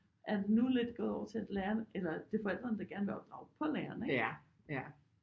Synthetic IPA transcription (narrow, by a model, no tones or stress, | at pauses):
ʔæɐd̥e̝nule̝d̥ɡ̥ɔðˠɒ̰ʊɐt͡sʰe̝æd̥læːɐnʔelɐd̥e̝fɒ̽el̰d̥ʁɐnəd̥ɑ̈ɡ̥æɐnʋeɒ̽b̥d̥ʁɑ̈ʊpʰɒ̽lɛːɐneɡ